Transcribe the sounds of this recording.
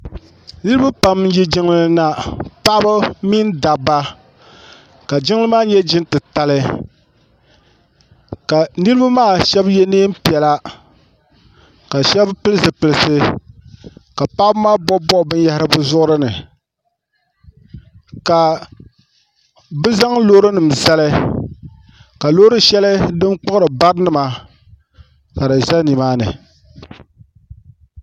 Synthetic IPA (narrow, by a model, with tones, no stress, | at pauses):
nɨ˦ɾba˦pa˨m˦ji˦d͡ʒɪ˦ŋlɨ˨na˨pa˦ba˦mi˦n˦da˨ba˦ | ka˨d͡ʒɪ˦ŋlɨ˦maː˦ɲɛ˦d͡ʒɪ˦ntɨ˨ta˦lɨ˦ | ka˨nɨ˦ɾɨ˦ba˦maː˦˨ʃɛ˦bjɛ˦neː˦m̩˦pi˨ɛ˨la˦ | ka˨ʃɛ˦bpɨ˦lɨ˦sɨ˨pɨ˨lɨ˨sɨ˨ | ka˨pa˦bmaː˦bɔ˦bɔ˦˨bɨ˦n˦ja˦hɪ˦ɾɨ˦bɨ˦zʊ˦ʔʊ˦ɾɨ˦nɨ˨ | ka˨ | bɨ˦za˦ŋloː˦ɾɨ˦nɨ˨m̩˨za˦lɨ˦ | ka˨lo˦ɾɨ˦ʃɛ˦lɨ˦dɨ˦nk͡pʊ˦ʊ˦ɾɨ˨ba˦ɾnɨ˨ma˨ | ka˨dɨ˨ʒa˦ni˨maː˦nɨ̰˨